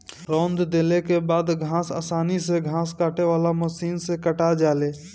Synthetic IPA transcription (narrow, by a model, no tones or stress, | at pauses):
ɾɔːnd̪d̪eːlekebaːd̪ɡʱãːsa̰ːsaːniseɡʱãːskaːʈeʋaːlaməsiːnsekəʈad͡ʒaːleː